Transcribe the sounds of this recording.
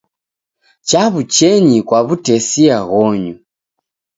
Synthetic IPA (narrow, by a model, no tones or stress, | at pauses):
t͡ʃaβut͡ʃɛɲikwaβutɛsiaɣɔɲu